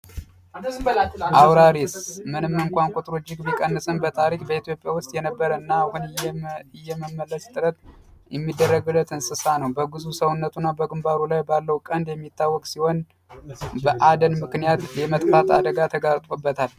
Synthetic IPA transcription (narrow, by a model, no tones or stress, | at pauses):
ʔawɾaɾismɨnɨmːɨŋkʷankʷʼot̪ʼɾod͡ʒɪkbikʼənːɨsʼɨnbət̪ʰaɾikbəit̪ʰijo̞pʼjawʊst̪ʼjɛnəbːəɾəɨnːahunɪjːɛməmːəlːəst̪ʼɨɾət̪ | jɛmːid̪ːərːəɡɨlːət̪ʰɨnsɨsanəwbəɡɨzusəwunːət̪ʰunːabəɡɨmbaɾulajbalːəwukʼənd̪jɛmːit̪ʰːawːɔkʼsiho̞n | bəʔad̪ənmɨknijat̪jɛmət̪ʼfat̪a̰d̪əɡat̪ʰəɡaɾt̪ʼobːət̪ʰal